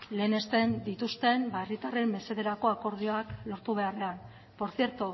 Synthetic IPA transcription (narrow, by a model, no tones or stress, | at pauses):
le̞ːne̞st̪e̞nd̪it̪ust̪e̞mbaerit̪are̞mːe̞se̞ðe̞ɾako̞ako̞ɾð̞ioaklo̞ɾt̪uβ̞e̞are̞an | po̞ɾθie̞ɾt̪u